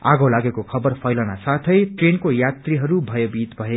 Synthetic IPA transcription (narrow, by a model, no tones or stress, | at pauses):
a̰ɡolaɡekokʰʌbʌrpʰʌjlanasat̪ʰʌjʈrenkojat̪riɦʌɾubʱʌjebit̪bʱʌe